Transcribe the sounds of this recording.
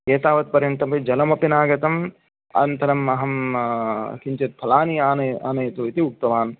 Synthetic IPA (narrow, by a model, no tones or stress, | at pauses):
eːt̪aːʋɐt̪̚pɐɾjɐnt̪ɐmpɐd͡ʒɐlɐmɐpinaːɡɐt̪ɐm | ɐ̰nt̪ʰɐɾɐmɐɦɐm | kiɲt͡ʃɐt̪̚p̪ʰːɐlaːniaːnɐaːnɐjɐt̪oːit̪iuk̚t̪ɐʋaːn